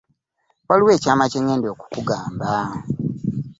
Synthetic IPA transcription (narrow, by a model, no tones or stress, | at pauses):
waliwe̞ːcaːmaceɲeːndo̞ku̥kuɡaːmba